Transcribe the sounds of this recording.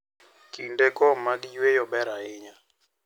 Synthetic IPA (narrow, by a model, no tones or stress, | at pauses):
kindɛkɔmaɗijwɛjɔɓɛɾaɪɲa